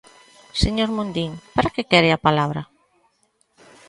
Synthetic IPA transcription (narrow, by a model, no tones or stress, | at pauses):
seɲoɾmõnd̪iŋpaɾakekɛɾɪapalaβɾɐ